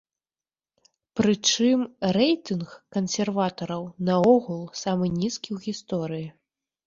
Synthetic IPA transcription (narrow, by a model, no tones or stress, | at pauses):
pɾɨt͡ʂɨmrɛjt̪ɨnxkɐnsʲɛrvat̪ɐɾɐwnɐɔɣulˠsamɨnʲiskʲiwɣʲist̪ɔɾɨji